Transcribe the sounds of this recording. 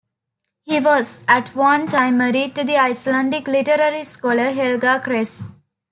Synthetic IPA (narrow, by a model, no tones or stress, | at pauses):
hiːʋɔzæʈʋʌ̃nʈãɪmːəɾiɖ̚ʈud̪iaɪslæ̃ɳɖikliʈəɾəɾiskɔləɦelɡaːkɾes